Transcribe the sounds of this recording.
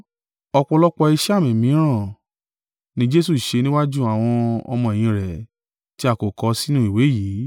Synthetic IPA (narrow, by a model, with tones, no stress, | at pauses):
ɔ˧k͡pɔ˧lɔ˦k͡pɔ˧i˧ʃa˦˨mĩ˨mĩ˨˦ã˦˨ | nĩ˦d͡ʒe˦su˦˨ʃe˧nĩ˦wa˦d͡ʒu˦a˨w̃ɔ̃˧ɔ̰˧mɔ̃˧ẽ˨ĩ˧ɾɛ˨ | ti˦a˦˨ko˨kɔ˧˦si˦nũ˦i˨we˨˦jiː˨˦